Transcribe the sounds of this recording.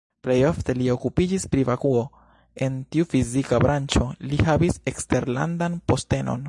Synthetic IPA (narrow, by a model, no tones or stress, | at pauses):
plejo̞fte̞lio̞kupid͡ʒispɾivakuo̞ | e̞ntiufizikabɾant͡ʃo̞lihavise̞kste̞ɾla̰ndanpo̞ste̞no̞̰n